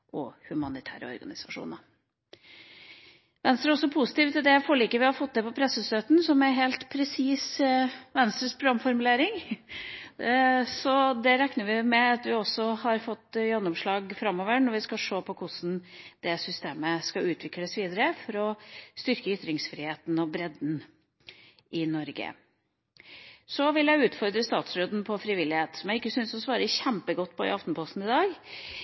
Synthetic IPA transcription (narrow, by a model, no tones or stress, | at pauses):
ʔɔ̰hʉmɑnɪt̪ʰæ̰ːɾə̰ɔ̰ɾɡɑ̰nɪsɑʂṵːnɑ | ʋɛnst̪ɾæɾɔsːɔpʰusɪ̥t̪iːft̪ɔd̪ɛfoːɭiːkəʋɪhɑfɔt̪̚ːd̪ɛpɔpʰɾɛsːəst̪øːt̪n̩sɔmæɾɦeːlt̪pʰɾɛsiːsʋɛnst̪ɾəspʰɾʊɡɑmːfɔɾmʉleːɾɪŋ | sɔd̪ɛɾɛknəɾʋɪmɛɑt̪ʋɪɔsːɔhɑɾfɔt̪ːjɛnːɔmʂɭɑːɡfɾɑmːoːʋəɳɔɾʋɪskɑʂoːpʰɔkʰʊsn̩d̪̥ɛsʏst̪eːməskɑʉːt̪ʰʋɪkləsʋiːd̪əɾəfɔɾɔst̪ʏɾkəʏt̪ːɾɪŋsfɾiːheːt̪n̩ɔbɾɛd̪n | ʔɪnɔɾɡə̰ | sɔʋɪljæɪʉːt̪fɔɾd̪ɾəst̪ɑːt̪sɾoːd̪n̩pʰɔfɾɪʋɪlɪheːt̪sɔmjæɪkːəsʏnsɔsʋɑːɾəçæmpəɡɔt̪ːpʰɔɪ̰ɑft̪n̩pʰɔst̪n̩ɪd̪ɑːɡ